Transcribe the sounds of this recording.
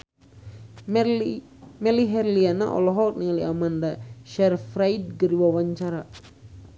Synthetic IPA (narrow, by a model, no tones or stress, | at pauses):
mɛliɦɛrliana̰ʔɔ̰lɔɦɔk̚niŋaliamandaʃɛrfɾaid̚ɡəɾiwawaɲt͡ʃaɾa